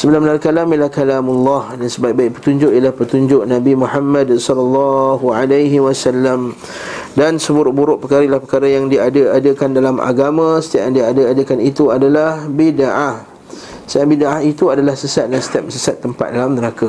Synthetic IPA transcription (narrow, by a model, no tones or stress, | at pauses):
səbəlamənarkalamjəlahkalamulːɔhdansəbaiʔ̚baɪʔpət̪uɲd͡ʒʊʔijəlahpət̪uɲd͡ʒʊʔnãbimuħamːãdsɔlalːɑɦualajɦiwasalːam | dansəbuɾʊʔ̚buɾʊʔpərkaɾaʔilahpərkaɾajaŋdiadəadəkandalamʔa̰ɡamãsə̥t̪iaʔjaŋdiadəadəkanit̪uadalahbidaʔah | saʔbidaʔahit̪uadalahsəsat̪̚dansə̥t̪ap̚səsat̪ːəmpa̰t̪̚dalamnəɾaka